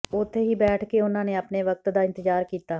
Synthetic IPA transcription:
ʊt̪ʰːeːɦiːbɛːʈʰkeːʊnãːneːəpneːʋək̚t̪d̪aːɪ̃nt̪əzd͡ʒaːɾkiːt̪aː

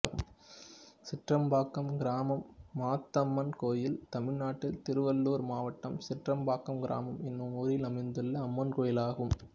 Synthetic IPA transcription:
ɣɯm | sɪʈrɐmbaːkːɐmɡɪɾaːmɐmːaːt̪ːɐmːɐnkoːjɪlt̪ɐmɪɻnaːʈːɪlt̪ɪɾɯʋɐlːoːɾmaːʋɐʈːɐmsɪʈrɐmbaːkːɐmɡɪɾa̰ːmɐmɪnːɯmɔɾɪlɐmɐɪnd̪ɯlːɐɐmːɐnkoːjɪlaːɣɯm

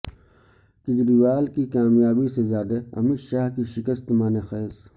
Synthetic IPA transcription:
kɪd͡ʒɾiwaːlkikaːmjaːbisezjaːd̪aɐ̰miʃaːɦkiʃɪkəst̪maːnexeːs

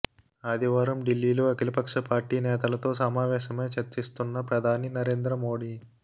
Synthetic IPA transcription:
aːd̪iʋaːɾɐmɖilːiːloːɐkilɐpɐkʂɐpaːɾʈiːnɛːt̪ɐlɐt̪o̞ːsɐmaːʋɛːʃɐmeːt͡ʃɐɾt͡ʃist̪unːɐpɾɐd̪ʱaːninɐɾeːnd̪ɾɐmo̞ːɽi

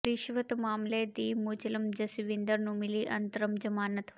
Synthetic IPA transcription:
ɾiʃʋɐt̪maːmleːd̪iːmuːt͡ʃilɐmd͡ʒɐsiʋind̪əɾnũːmiliːʔɐ̰nt̪əɾɐmd͡ʒɐmaːnɐt̪

